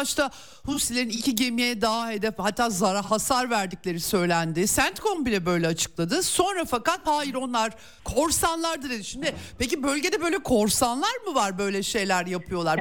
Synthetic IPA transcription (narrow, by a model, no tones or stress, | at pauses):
at͡ʃt̪ʰa | husilʲeɾinicʰiɟe̞mijɛd̪aːɦe̞d̪ɛfhat̪ʰːaːzaɾahasaɾvæɾd̪iclʲe̞ɾisø̞jlʲænd̪ɪsænt̪kʰo̞mbilʲɛbø̞jlʲɛat͡ʃʰɯ̥klˠad̪ɯso̞nɾafakat̪haːjiɾo̞nlˠaɾ̥ | kʰo̞ɾsanlˠaɾd̪ɯned̪yʃimd̪ɪpecibø̞lʲɟe̞d̪ɛbø̞jlʲɛkʰo̞ɾsanlˠaɾmɯvaɾbø̞jlʲɛʃe̞jlʲæɾjapʰɯjo̞lˠaɾ